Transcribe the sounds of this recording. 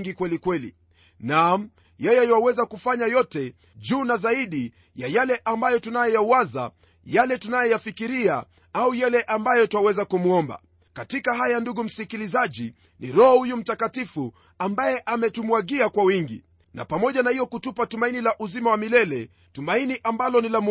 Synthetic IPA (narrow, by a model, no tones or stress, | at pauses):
ŋɡikwɛlikwɛlḭ | nam̩ | jɛjɛiwawɛzakufaɲajɔtɛ | ʄuːnazaiɗi | jajalɛʔambajɔtunajɛjauwaza̰ | jalɛtunajɛjafikiɾia̰ | aujalɛʔambajɔtwawɛzakumuɔmba̰ | katikaɦajanduɡum̩sikilizaʄi | niɾɔhɔhujum̩takatifu | ambajɛʔamɛtumwaɠiakwawiŋɡḭ | na̰pamɔʄanahijɔkutupatumainilaʔuzimawamilɛlɛ | tumainiʔambalɔnilam